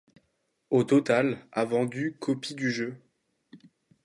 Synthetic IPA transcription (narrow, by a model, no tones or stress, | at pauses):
ot̪ɔt̪alavɑ̃d̪ykʰɔpid̪yʒø